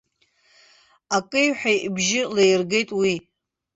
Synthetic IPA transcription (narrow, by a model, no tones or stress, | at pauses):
akʼɨjħʷᶣajbʒɪlejrɡe̞jtʼwi